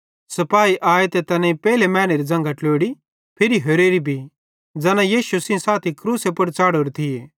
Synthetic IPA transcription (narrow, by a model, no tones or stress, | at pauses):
sɐpaːiʔaːet̪et̪ɐnãĩpɛːlemɛ̃ːñeɾid͡ʒɐ̃ŋɡaʈloːɽi | pʰɪɾiɦɐɾeːɾibʱi | d͡zɐnãjiːʃusɪ̃saːt̪ʰikɾuːsepɐɽt͡ʃaːɽoːɾet̪ʰɪjeː